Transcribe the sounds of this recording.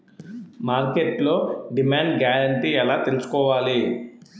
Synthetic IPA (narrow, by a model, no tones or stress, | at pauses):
maːɾkeʈlo̞ːɖimaːɳɖɡaːɾɐɳʈiːɛlaːt̪e̞lusu̥kɔːʋaːli